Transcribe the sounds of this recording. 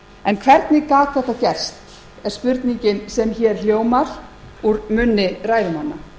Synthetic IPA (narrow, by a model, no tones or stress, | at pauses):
ɛnkʰvɛɾt̪nɪkaːk̪θɛht̪ːacɛr̥st̪ | ɛɾ̥spʏɾt̪niɲcɪnsɛmçɛɾ̥l̥joːwmaɾ̥ | uɾmʏnːɪraːjðʏmanːa